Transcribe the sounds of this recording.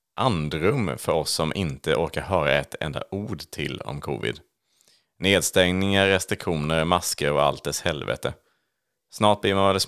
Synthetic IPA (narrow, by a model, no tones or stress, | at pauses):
ʔand̪ɾɵmfœɾɔsːɔmʔɪnt̪əʔoːɾkaɾɦœːɾaɛt̪ʰɛ̰nd̪a̰ʔuːɖt̪ʰɪlɔ̰mkʰṵːvɪ̰d̪ | neːd̪st̪ɛŋnɪŋaɾːɛst̪ɾɪkɧuːnəɾmaskəɾɔa̰lt̪̚d̪ɛshɛlvɛ̰t̪ə | snɑːʈ̚blɪɾmanvɛlɛs